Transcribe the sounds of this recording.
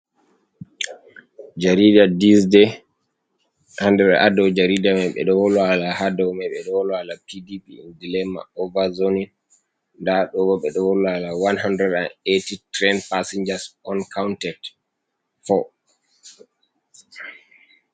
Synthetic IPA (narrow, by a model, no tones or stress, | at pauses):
d͡ʒaɾidadisdɛ | ʔandɛɓɛ̰ʔadɔwd͡ʒaɾidamɛɓɛ̰ɗɔwɔlɔalahadɔmɛɓɛɗɔwɔlɔalapidipḭdilɛma̰ɔvazonin | ndaɗɔwɔɓɛɗɔwɔlɔalawanhandɾɛdanetitɾɛnpasiɲd͡ʒasɔnkʰawntɛt | fɔ